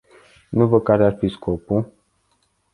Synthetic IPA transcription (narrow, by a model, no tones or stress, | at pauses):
nuvəkaɾearfiskopu